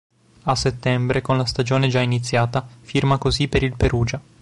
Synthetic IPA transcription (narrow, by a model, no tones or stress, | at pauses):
asːet̪ːɛmbɾekonlast̪ad͡ʒoːned͡ʒainit̪sːjaːt̪afirmakozipːeɾilpeɾuːd͡ʒa